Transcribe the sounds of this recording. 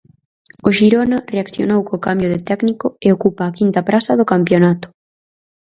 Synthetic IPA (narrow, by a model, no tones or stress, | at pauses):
oʃiɾonareakθjo̰nowkokambjoðɪt̪ɛknikoeokupaːkint̪ɐpɾasɐðokampjonat̪ʊ̥